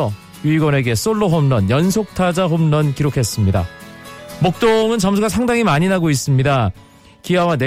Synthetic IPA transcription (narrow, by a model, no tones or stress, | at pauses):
ʌ | jiiɡwʌne̞ɡe̞s͈oɭːoɦomnʌnjʌnsʰok̚tʰad͡ʑaɦomnʌnkiɾokʰe̞s͈ɯmɲida̰ | mok̚t͈oŋɯnt͡ɕʌmsʰuɡas̬ʰaŋdaŋimaɲinaɡois͈ɯmɲida | kiɦawane